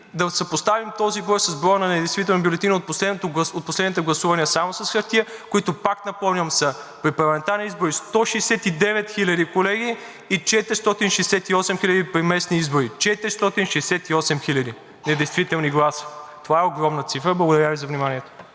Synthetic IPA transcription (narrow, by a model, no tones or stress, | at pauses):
d̪ɐsəpost̪avimt̪ɔzibɔjsɐzbɾɔɾnɐnɛd̪ɛjst̪vit̪ɛlˠnbʲjʊlɛt̪inot̪poslɛt̪oɡˠɐot̪̚poslɛd̪nit̪ɛɡlˠɐsuvɐniəsamosɐsxɐɾt̪iəkoit̪ʊpak̪nɐpɔmnʲɐmsɐpɾipɐɾlˠɐmɛnt̪aɾniizboɾist̪ɔʃɛːsɛt̪id̪ɛvɛt̪xilʲɐd̪ikolɛɡ̟iː | t͡ʃɛt̪ɾist̪ɔt̪inʃɛsɛt̪iɔsɛmxilʲəd̪ipɾimɛsniizboɾit͡ʃɛt̪ɾist̪ɔt̪inʃɛsɛt̪iɔsɛmxilʲɐd̪i | nɛd̪ɛjst̪vit̪ɛlˠniɡlˠasi̥t̪ovaɛoɡɾɔmnət̪sifɾəblˠɐɡʊd̪ɐɾʲjavizɐvnʲimaniɛt̪o̥